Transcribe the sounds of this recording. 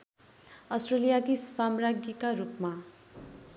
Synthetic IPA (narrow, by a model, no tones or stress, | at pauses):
ʌsʈrelijakisamraɡjikaɾupma